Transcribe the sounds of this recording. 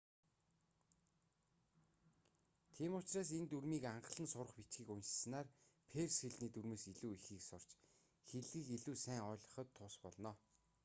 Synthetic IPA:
t̪ʰiːmʊt͡ɕraːsent̪urmiːkaɴɢə̆ɮə̆nsʊrə̆χpit͡ɕɡiːkunʃs̆naːrpʰersxeɮniːt̪uɾmeːsiɮuːixiːksʊr̥t͡ɕ | xeɮɣiːkeɮuːsæːŋɔːɮə̆χə̆t̪ʰːʊspɔɮnɔː

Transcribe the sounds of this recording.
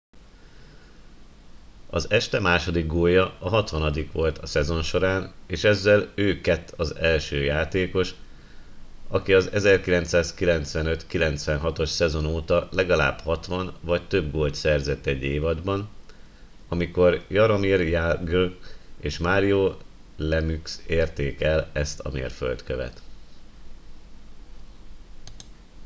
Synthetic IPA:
ɒ̰zɛʃt̪ɛmaːʃo̞d̪iɡɡoːjɒːɦɒt̪ʋɒnɒd̪ikʋo̞lt̪ʰɒsɛzo̞nʃo̞ɾaːneːʃɛzːɛløːkɛt̪ːʰɒzɛlʃøːjaːt̪eːko̞ʃ | ɒkiɒzɛzɛrkilɛnt̪saːskilɛnt̪sʋɛnøt̪kilɛn̪t̪sʋɛnɦɒt̪o̞ʃsɛzo̞noːt̪ɒlɛɡɒla̰ːb̥hɒt̪ʋɒnvɒct̪ø̞bɡoːlt̪sɛrzɛt̪ːɛɟːeːvɒd̪bɒn | ɒmiko̞rjɒɾomirjaɡøeːʃmaːɾijoːlɛmykseːrt̪eːkɛlɛst̪ɒ̰mḛːrfø̰lt̪køvɛ̰t̪

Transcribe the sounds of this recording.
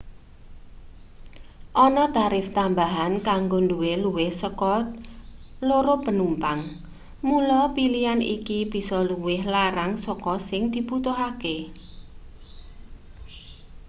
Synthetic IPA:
ʔɔnɔt̪aɾɪft̪ambaɦankaŋɡonduweluwɪhsəkɔt̪loɾopənumpaŋ | mulɔpilijanḭkib̥i̤sɔluwɪhlaɾaŋsɔkɔsɪŋd̪̥i̤put̪oɦake

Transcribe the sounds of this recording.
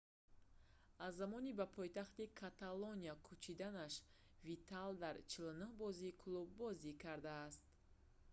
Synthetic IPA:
azːamɔnibapʰɔjt̪aχt̪ikʰat̪aloniakʰut͡ʃʰid̪anaʃ | vit̪ʰald̪aɾt͡ʃʰilʊnuhbɔziːkʰlubːɔzikʰaɾd̪aːst̪̚

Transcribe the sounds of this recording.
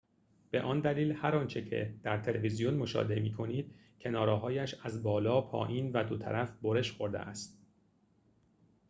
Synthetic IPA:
b̥e̞̰ʔɒːnd̪æliːlhæɾɒːnt͡ʃʰe̞cʰe̞̰d̪̥æɾt̪ʰe̞levizijonmo̞ʃɒ̰ːd̪e̞miːkʰo̞niːd̪̥̚ | cʰe̞nɒːɾɒːɦɒːjæʃæzbɒːlɒːpʰɒ̰ːʔiːnvæd̪ot̪ʰæ̰ɾæfboɾeʃχo̞ɾd̪ḛæst̪

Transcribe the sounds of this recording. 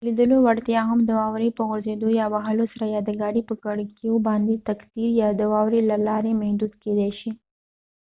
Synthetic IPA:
lid̪əlowaɽt̪jɑɦamd̪əwɑwɾipəɣʊɾzed̪ojɑbaɦalosaɾajɑd̪əɡɑɽipəkaɽkjobɑnd̪et̪akt̪iɾjɑd̪əwɑwɾilalɑɾemahd̪ud̪ked̪ɛʃi

